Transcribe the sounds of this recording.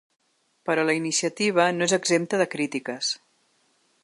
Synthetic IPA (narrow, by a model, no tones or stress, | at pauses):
pəɾɔləinisiət̪iβ̞ənoezəɡzempt̪əðəkɾit̪ikəs